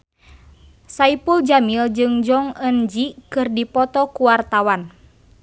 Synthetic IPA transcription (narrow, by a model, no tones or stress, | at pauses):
saipuld͡ʒamild͡ʒɨŋd͡ʒɔŋənd͡ʒikɨrdipɔt̪ɔkuwart̪awan